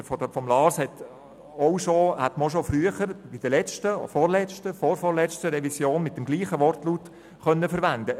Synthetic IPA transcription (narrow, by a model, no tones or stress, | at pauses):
fɔdəfɔmlɑːshɛt̪ | ɔwʃohæt̪məoʃofɾyəχəɾbid̥əlɛt͡ʃtə̰fɔɾlɛt͡ʃtəfɔɾfɔɾlɛt͡stəɾɛvisjoːnmɪt̚dɛmɡliːχəʋɔrtluːt | χœnːəfəɾʋænd̪ə